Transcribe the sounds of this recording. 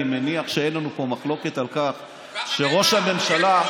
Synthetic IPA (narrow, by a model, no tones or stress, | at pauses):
meniaχʃeenlanupo̞maχlo̞ke̞t̪alkaχ | ʃe̞ʁo̞ʃhame̞mʃala